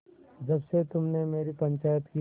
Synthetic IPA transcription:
d͡ʒɐbset̪ʊmnemeːɾipɐ̃ɲt͡ʃaːjət̪ki

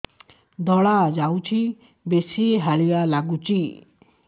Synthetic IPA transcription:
d̪ʱɔɭad͡ʒawt͡ʃʰi | besiɦaɭijalaɡut͡ʃi

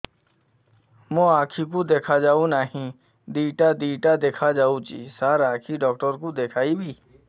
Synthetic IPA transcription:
mõaːkʰik̬od̪eːkʰad͡ʒaːũnaːɦĩ | d̪iːʈad̪iːʈad̪eːkʰad͡ʒaːũt͡ʃḭːsaːɾaːkʰiɖɔːk̚ʈəɾkod̪eːkʰaːibʱiː

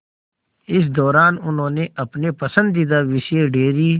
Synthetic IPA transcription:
ɪs̬d̪ɔːɾaːnʊnɦõːneʔɐpnepɐsə̃nd̪id̪aʋɪʃeɖeːɾiː

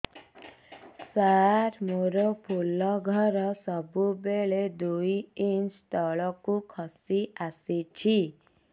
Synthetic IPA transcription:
saɾmoɾopʰulɔɡʱɔɾɔsɔbubeɭed̪ujiɲt͡ʃt̪ɔɭɔkukʰɔsiasit͡ʃʰi

